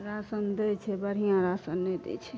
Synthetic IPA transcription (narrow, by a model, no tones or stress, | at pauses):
ɾaːsənd̪et͡ʃʰebəɾ̤ijãɾaːsənːed̪ḛt͡ʃʰe